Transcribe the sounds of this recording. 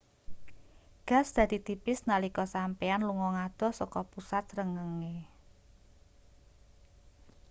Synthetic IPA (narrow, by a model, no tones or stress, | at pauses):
ɡ̥a̤sd̪̥a̤d̪̥i̤t̪ipɪsnalikɔsampɛanluŋɔŋad̪̥ɔ̤sɔkɔpusat̪̚rəŋəŋe